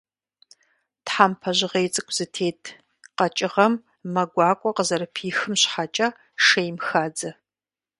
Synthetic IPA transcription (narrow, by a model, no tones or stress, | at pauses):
tħaːmpʰɐʑɪʁejt͡sʼɨkʷʼz̥ɨtʰeːtʰ | qɐt͡ʃʼɪʁɐmː | ɐɡʷaːkʷʼɔqəzɐɾɨpʰiːxɨmɕħat͡ʃʼa | ʂejmxaːd͡zɐ